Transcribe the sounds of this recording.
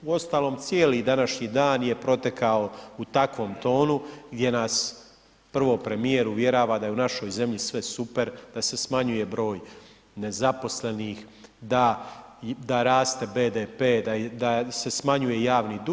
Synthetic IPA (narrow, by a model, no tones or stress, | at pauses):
uo̞st̪aːlo̞ːmt̪sjeːlid̪anaʃɲid̪aːnje̞pɾo̞t̪e̞kʰao̞ut̪akʋo̞ːmt̪o̞ːnuɡd̪je̞naːs | pr̩ʋo̞pɾe̞mije̞ɾuʋje̞ɾaːʋaːd̪ajeunaʃo̞jze̞mʎisʋe̞supe̞ɾd̪̥ase̞smaɲuje̞bɾo̞ːj | ne̞zapo̞sle̞niːx | d̪a | d̪aɾaːst̪e̞be̞ːd̪epeːd̪ad̪ase̞smaɲuje̞jaːʋnid̪